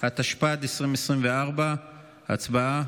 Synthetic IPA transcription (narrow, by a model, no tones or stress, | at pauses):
hat̪aʃpat̪esʁimesʁimveaʁba | a̰t͡sbaa